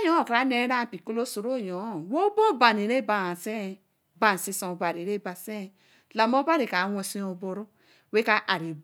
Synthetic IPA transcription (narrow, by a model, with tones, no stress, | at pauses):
jõ˦o˨kɾa˦ne˦ɾa˦˨pi˨ko˦lo˦so˨ɾo˦˨jo˨˦˨wo˦bo˦ba˨ne˨ɾe˦ba˨a˨se˦˨ | ba˨n˨si˧sõ˨ba˨ɾe˨ɾe˦ba˨se˦˨ | la˨mo˦ba˦ɾe˨ka˨˦wɔ̃˧si˦o˨bo˨ɾu˦ | we˦ka˦ʔa˨ɾi˨